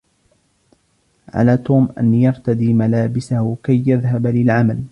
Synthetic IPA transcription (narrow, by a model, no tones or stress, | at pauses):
ʕa̰laːt̪uːmʔa̰njɑɾˤt̪ad̪iːmalaːbɪsahʊkajːaðɦablɪlʕamal